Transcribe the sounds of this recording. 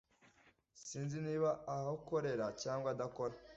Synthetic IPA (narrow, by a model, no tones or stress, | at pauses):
siːnziniːβaːhauko̞ɾe̞ɾacaːŋɡwadako̞ɾa